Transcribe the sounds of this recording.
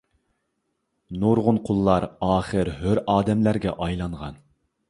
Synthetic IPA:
nuɾʁʊnqʰʊlˠːɑɾɑːχəɾɦøɾʔɑːd̪ɛmlæɾɡʲɛ̰ʔɑjlˠɑɴʁɑ̰n

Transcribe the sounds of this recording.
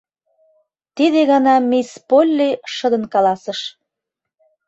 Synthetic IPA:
t̪id̪eɣɑnɑmʲispolʲːiʃə̆d̪ə̆nkɑlɑsə̆ʃ

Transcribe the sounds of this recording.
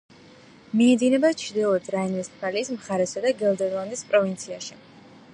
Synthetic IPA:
miɛd̪inɛbat͡ʃʰd̪ilˠɔd̪ɾainismkʰaliːsmχaɾɛsad̪aɡɛld̪ɛɾlˠand̪ispʼɾɔvint̪sʰiaʃi

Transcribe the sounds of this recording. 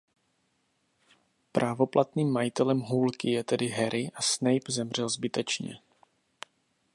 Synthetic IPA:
pɾʔavo̞plʔat̪niːmːajɪt̪ɛlɛmɦuːlkɪjɛt̪ɛdɪɦɛɾʔɪʔasnɛjpzɛmr̝̥ɛlzbɪt̪ɛt͡ʃɲɛ̰

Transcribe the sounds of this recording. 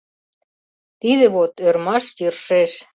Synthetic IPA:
t̪iðə̆βot̪øɾmɑʃjyrʃeʃ

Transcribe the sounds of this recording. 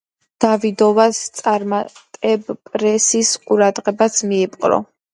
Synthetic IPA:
d̪̥avid̪ɔvast̪sʼaɾmat̪ʼɛbpʼɾɛsisqʼuɾad̪ʁɛbasmiɛpʼqʼɾɔ̰

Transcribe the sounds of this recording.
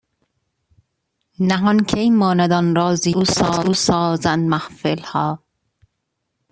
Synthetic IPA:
næɦɒnkʰejmɒːnæd̪ɒnɾɒːziusɑːusɒːzænd̪mæhfelhɒː

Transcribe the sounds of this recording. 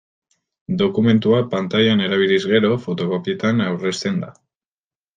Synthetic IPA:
d̪o̞kumẽ̞nt̪uapant̪aʎane̞ɾaβ̞ilizɣe̞ɾo̞fo̞t̪o̞ko̞pie̞t̪anawre̞st̪e̞nd̪a

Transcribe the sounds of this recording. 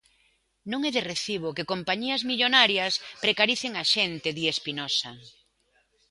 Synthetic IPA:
nõŋɛðereθiβ̞okekompaɲiɐzmiʎonaɾjɐspɾekaɾiθeŋaʃent̪eðiespinɔsɐ

